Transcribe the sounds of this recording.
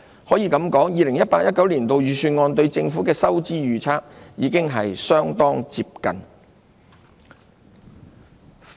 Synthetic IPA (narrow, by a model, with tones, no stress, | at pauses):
hɔː˨˥jiː˨˧kɐ˨˥mkɔː˨˥ŋjiː˨˧lɪ˨˩ŋjɐ˥t̚paː˧k̚jɐ˥t̚kɐ˨˥wliː˨˩nt̪o˨wjyː˨˩syː˧nŋɔː˧nt̪ɵ˧ɥt͡sɪ˧ŋfu˨˥kɛː˧sɐ˥wt͡siː˥jyː˨˧t͡sʰaː˥k̚jiː˨˧kɪ˥ŋɦɐ˨jsœː˥ŋt̪ɔː˥ŋt͡siː˧p̚kɐ̰˨n